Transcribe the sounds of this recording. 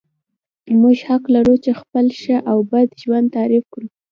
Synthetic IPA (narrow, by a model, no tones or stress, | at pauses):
muʒhaklaɾut͡ʃexpəlʃəʔawbad̪ʒwand̪̚t̪aɾifkɽu